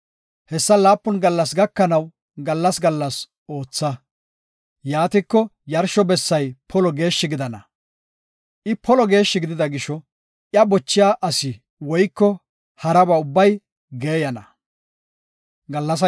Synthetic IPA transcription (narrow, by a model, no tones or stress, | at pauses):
hɛsːɐlaːpːʊnɡɐlːɐs̬ɡɐkːɐnɐw | ɡɐlːɐsɡɐlːɐs | o̞ːt͡sːɐ | jaːt̪ɪkːɔjɐɾʃɔbɛsːɐjpʰɔlɔɡe̞ːʃːɪɡɪd̪ɐnɐ̰ | ʔɪpʰɔlɔɡe̞ːʃːɪɡɪd̪ɪd̪ɐɡɪʃɔ | ʔjɐbɔt͡ʃːɪjaːʔɐsɪ | wɔjkːɔ | hɐɾɐbɐʊbːɐj | ɡeːjɐnɐ | ɡɐlːɐs̬ɐ